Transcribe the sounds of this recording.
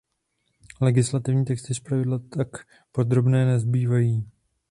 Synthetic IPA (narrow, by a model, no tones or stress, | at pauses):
lɛɡɪslat̪ɪvɲiːt̪ɛkst̪ɪspɾavɪdlat̪ak | po̞d̪ɾo̞bnɛːnɛzbiːvajiː